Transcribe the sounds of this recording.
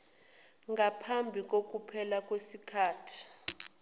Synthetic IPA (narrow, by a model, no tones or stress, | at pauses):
ŋɡʱapʰambʱik̬ʼok̬ʼupʰɛlak̬ʼwesikʰaːtʰi̥